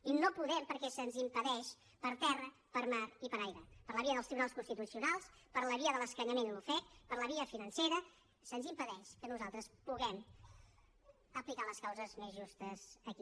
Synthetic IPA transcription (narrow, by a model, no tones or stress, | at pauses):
inopuðɛmpəɾkɛsənzimpəðɛʃ | pəɾt̪ɛrə | pəɾmaɾipəɾajɾəpəɾləβiəðəlˠt̪ɾiβunalˠskunst̪it̪usiunalˠspəɾləβiəðələskəɲəmenlufɛt̪̚pəɾləβiəfinənseɾə | sənzimpəðɛʃkənuzalˠt̪ɾəspuɣɛm | əplikaləskawzəzmezʒust̪əzəki